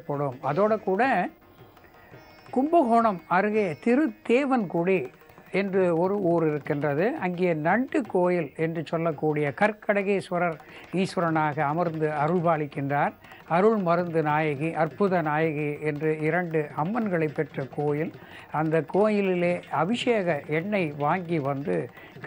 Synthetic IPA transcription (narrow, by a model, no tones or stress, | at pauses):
ɐpːɐɽɯmɐðoːɽɐkuːɽɐ | kʊmbɐɣɔɳɐmɐɾɯɣeːt̪ɪɾɯd̪eːʋɐnkʊɽi | ɛndrɯɔɾɯuːɾɪɾɯkːɪndrɐðɯʔɐŋɡejɐnɐɳɖɯkːoːjɪlɛndrɯt͡ʃɔlːɐkːuːɽɪjɐkɐɾkɐɽɐɣesɐɾɐɾ | iːsʋɐɾɐnaːɣɐːmɐɾnd̪ɯɐɾɯɭbaːɭɪkːɪndraːɾ | ɐɾɯɭmɐɾɯnd̪ɯnaːjɐɣiʔɐɾpʊðɐnaːjɐɣiɛndrɯɪɾɐɳɖɯɐmːɐnɡɐɭɐɪpːɛʈrɐkoːjɪl | ɐnd̪ɐkːoːjɪlɪleːɐʋɪʂeːɣɐʔɛɳːɐɪʋaːŋɡiʋɐnd̪ɯ